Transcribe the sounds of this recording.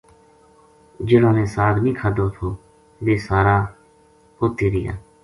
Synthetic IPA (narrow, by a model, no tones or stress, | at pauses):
d͡ʒɪnõːneːsaːɾnĩːkʰaːd̪oːt̪ʰoː | ʋeːsaːɾaː | hoːt̪iːɾɪja̰ː